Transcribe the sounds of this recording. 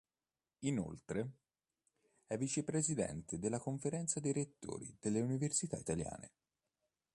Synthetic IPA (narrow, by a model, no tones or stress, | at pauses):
ino̰lt̪ɾe | ɛvːit͡ʃepɾezid̪ɛ̰nt̪ed̪elːakoɱfeɾɛnt̪sad̪eɾet̪ːo̰ːɾḭd̪̥elːeuniversit̪a̰it̪alja̰ːnḛ